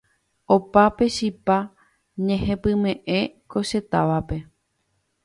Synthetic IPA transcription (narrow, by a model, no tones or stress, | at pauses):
opape̞ʃipa | ɲẽ̞hẽ̞pɨ̃mẽ̞ʔeko̞ʃe̞t̪aʋape̞